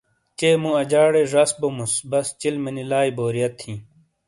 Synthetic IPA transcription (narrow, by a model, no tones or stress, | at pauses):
t͡ɕeːmũɐd͡ʑaːɽeʐɐsbomusbɐst͡ɕilmenilaːiboːɾijɐt̪ʰːĩː